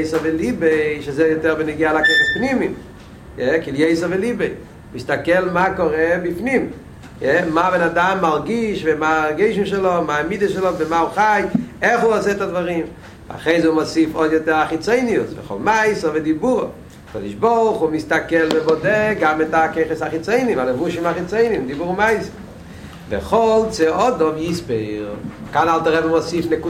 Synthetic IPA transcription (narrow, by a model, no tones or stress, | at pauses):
eɪsɔvɪlibeɪʃazejotɛʁbɪniɡealakeɪχəpnimim | jɛkilˠjeɪsɐvɪlibeɪ | mistakɛlˠmaːkɔʁɛbifnim | jɛmavɛnadamːaʁɡiʃvemaʁɡeɪʃ̬imʃɛlɔmamidəʃɛlˠɔvɪmauχajɛχuasɛtadvaʁim | a̰χeɪzomɔsifɔjɛtɛaχit͡seɪniusvɛ̰χɔ̰lˠmaɪsəvɪdibuʁə̰ | akɔ̰diʃbɔʁˠχumistakɛlˠbɛbɔdɛɡamɛtakeɪχəsaχit͡seɪnimaləvuʃimaχit͡seɪnimdibuʁmaɪsə | vɛ̰χɔlˠt͡sɛʔɔdɔmjispeɪʁ | kanalˠtəʁɛbəmɔsifnɛku